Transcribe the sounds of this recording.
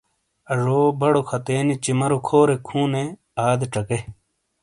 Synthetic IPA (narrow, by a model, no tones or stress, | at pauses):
ɐʐoːbɐɽokʰɐt̪eːnit͡ɕimɐɾokʰoːɾekʰũːne | aːd̪eʈ͡ʂɐke